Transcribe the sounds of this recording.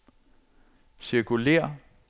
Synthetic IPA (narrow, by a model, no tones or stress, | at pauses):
siɐkʰule̝̰ːɐ